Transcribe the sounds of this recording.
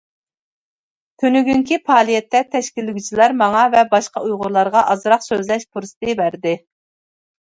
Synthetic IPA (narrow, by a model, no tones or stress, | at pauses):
t̪ʰønyɡʲyŋkʲʰipʰɑːlˠijɛt̪ːɛt̪ʰɛʃkʲilːɪɡʲyt͡ʃʰilˠɑɾmɑŋɑvɛbɑʃqɑujʁʊɾlˠɑɾʁɑʔɑzɾɑqsøzlɛʃpʰuɾsɨ̥t̪ʰɨbæɾd̪ɪ